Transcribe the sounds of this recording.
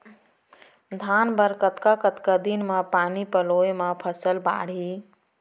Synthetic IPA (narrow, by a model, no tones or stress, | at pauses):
d̪ʱanbəɾkət̪kakət̪kad̪inmãpanipəlojmãpʰəsəlba̰ːɽ̤i